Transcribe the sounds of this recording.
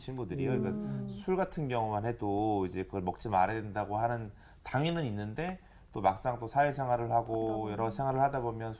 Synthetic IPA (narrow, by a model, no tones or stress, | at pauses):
t͡ɕʰinbudɯɾijoiɡʌnsʰuɭɡatʰɯnɡjʌŋumanɦhedoid͡ʑe̞kɯɡʌɭmʌk̚t͡ɕ͈ʰimaɾɦedwendaɡohanɯn | taŋɥinɯninːɯnde̞ | t͈omak̚s͈aŋt͈osʰaesʰeŋɦwaɾɯɭhaɡojʌɾʌsʰeŋwaɾɯɭhadabomjʌn